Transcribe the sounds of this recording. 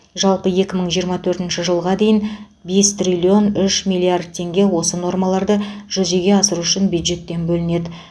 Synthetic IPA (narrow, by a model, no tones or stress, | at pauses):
ʒɑlˠpəje̞kʲɪməɴʒijəɾmɑt̪ʰɵɾt̪ɪnʃɪʒəlˠʁɑd̪e̞jɪn | be̞st̪rʲilʲio̞nʏʃmʲilʲˠːiard̪̚t̪ʲʰe̞ŋɡʲe̞wo̞səno̞rmɑlˠɑɾd̪əʒ̥ʏze̞ɡʲe̞ɑsəɾuʏʃɪnbjud̪ʒe̞t̪ːe̞nbɵlɪne̞d̪ɪ